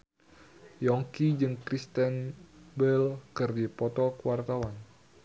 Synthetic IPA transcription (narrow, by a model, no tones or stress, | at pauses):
jɔŋkid͡ʒɨŋkɾist̪ɛnbəlkɨrdipɔt̪ɔkuwart̪awan